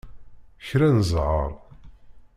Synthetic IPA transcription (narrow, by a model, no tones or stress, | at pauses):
çɾænzˤʕə̰ɾˤ